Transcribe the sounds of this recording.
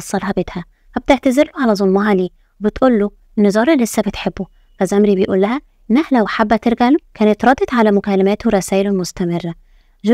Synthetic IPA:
ɑsˤːɑlhɑbet̪hæ | fæb̚t̪eʕt̪æzeɾloʕalæzˤolmɑʕaliː | webet̪ʔuːlːo | enːezˤɑːɾˤelːesːæbet̪ħebːo | fæzæmɾibejʔuːlːæhæ | enːæhælæwħabːæt̪eɾɡæʕlokæːnet̪ɾˤɑd̪et̪ˤʕalæmokælːæmæːt̪weɾˤɑsæːʔelomost̪æmerːæ | ʒ

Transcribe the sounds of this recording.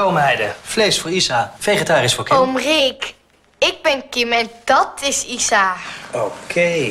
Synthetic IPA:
owmənɦɛjdəflejsfʊːɹisaːfejχətaːrəsfʊːɹkɪomrek | ɪɡ̚bɛnkɪmɛndɑtʰɪsisaːokʰej

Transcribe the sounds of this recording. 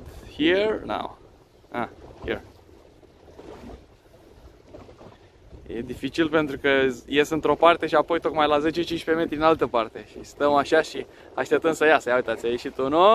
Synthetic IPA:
hiɹna̰w | a̰hḭr | jḛd̪ifit͡ʃilpe̞nt̪ɾukəje̞sɨnt̪ɾo̞part̪e̞ʃiapo̞jt̪o̞kmajlaze̞t͡ʃet͡ʃint͡ʃpe̞me̞t̪ɾiinalt̪əpart̪e̞ʃḭst̪əmaʃaʃi | aʃt̪ep̚t̪ənsəjasəjauijt̪at̪sʲajeʃit̪uno

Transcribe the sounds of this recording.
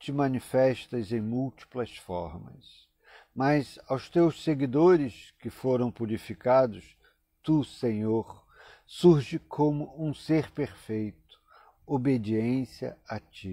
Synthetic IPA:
t͡ʃɪmɐ̃nifɛʃt̪ɐzẽj̃muwt͡ʃi̥plɐsfɔ̰ɾmɐ̰s | mɐzawst̪ewsseɡid̪oɾɪskɪfoɾɐ̃w̃puɾifikad̪ʊs | t̪usẽɲoɾ | suɾʒɪkʰõmʊũseɾpeɾfejt̪ʊ̥ | obed͡ʒiẽsiɐ̰at͡ʃi

